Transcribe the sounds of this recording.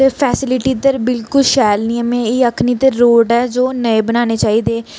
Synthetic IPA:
t̪eːpʰɛːsɪlɪʈiːd̪əɾbɪlkʊlʃɛːlnĩːə̃mẽːɪːəkʰniːt̪eɾoːɖɛːd͡ʒoːnəebənaːneːt͡ʃaːiːd̪eː

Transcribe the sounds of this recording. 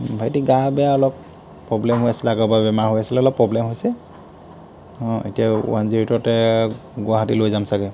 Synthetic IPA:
bʱajtiɡabɛjaɔlɔpː | ɹɔblɛmɦojasilakɔbabɛmaɹɦojasilɛɔlɔpːɹɔblɛmɦojsɛ | ɔ̃ḛtijaṵwanziɹitɔtɛɡʊaɦatilojzamsaɡɛ

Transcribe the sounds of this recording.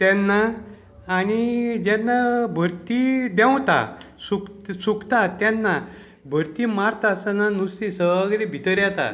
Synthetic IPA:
t̪ɛnːaː | ñid͡ʑɛnːabʱəɾt̪id̪ɛ̃wt̪a̰ | suksukt̪at̪ɛnːa | bʱəɾt̪imaɾt̪asananust̪isəaɡd̪ibʱit̪əɾjat̪a̰

